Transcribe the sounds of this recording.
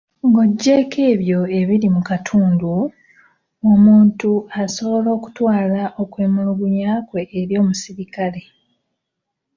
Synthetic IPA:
ŋɡo̞ɟːe̞ːke̞ːβjo̞e̞βilimukatʰuːndu | omuːntuaso̞βo̞lo̞ːku̥twaːlaʔo̞kwe̞ːmuluɡuɲaːkwe̞ʔːɾjo̞ːmusiɾikale̞

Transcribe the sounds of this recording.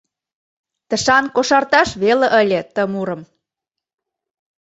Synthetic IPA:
t̪ə̆ʃɑnkoʃɑrt̪ɑʃβelə̆ʔəlʲĕt̪ə̆muɾə̆m

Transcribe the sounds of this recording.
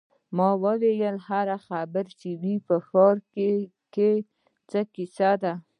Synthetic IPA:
mɑwəwejəlhaɾaxabəɾt͡ʃewipəxɑɾke | ke | t͡səkɪsad̪a

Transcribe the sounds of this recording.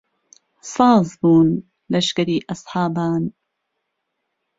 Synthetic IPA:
sɑːzˤbuːn | lɐʃkɐɾiːʔɑsˤħɑːbaːn

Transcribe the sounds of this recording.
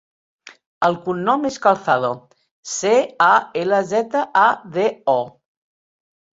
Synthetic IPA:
əlˠkunːɔmeskalˠθaðo | seaeləzɛt̪əʔaðeɔ

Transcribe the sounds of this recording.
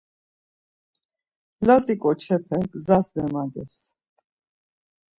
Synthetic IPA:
lazikʼɔt͡ʃʰɛpʰɛɡzazmɛmad̪ɛs

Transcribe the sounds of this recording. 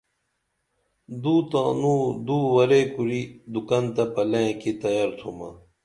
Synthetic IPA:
d̪uːt̪ãːnũːd̪uːwɐɾeːkuɾid̪ukɐnt̪ɐpɐlẽkit̪ɐjaɾt̪ʰumɐ̰

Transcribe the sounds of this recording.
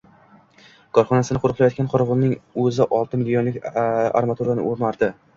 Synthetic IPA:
kʰɒɾχɒnasɪnɪqʰʊɾɨqlˠajɒt̪kʲanqʰɒɾvʊlnɪŋɵzɪʔɒlˠt̪ʰɪmɪlːionlɪkʲa̰ɾmat̪uɾanɪ̰ʔoɾmaɾd̪ɪ

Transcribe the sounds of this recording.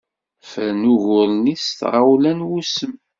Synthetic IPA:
fənuʝʊlnisθʁawlænwusəm

